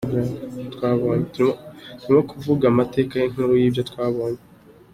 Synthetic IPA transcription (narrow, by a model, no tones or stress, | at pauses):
atkwaːβoːɲetuituɾimokʰuvuɡamate̞ːkajin̥uːɾujiːbjotkwaːβo̞ːɲe